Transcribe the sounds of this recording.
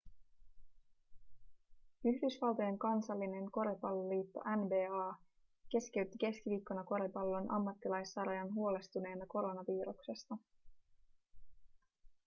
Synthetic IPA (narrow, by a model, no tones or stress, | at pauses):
yçdysʋɑlˠt̪ɑje̞ŋkɑnsɑlːine̞nko̞ɾepɑlːoliːt̪ːo̞̰ʔænbe̞ːɑː | k̟e̞ske̞ɥt̪ːike̞skiʋiːkːo̞nɑko̞ɾepɑlːo̞nʔɑ̰mːɑt̪ːilɑjsːɑɾɑjɑnɦuo̞le̞st̪une̞ːnɑko̞ɾo̞nɑʋiːɾukse̞st̪ɑ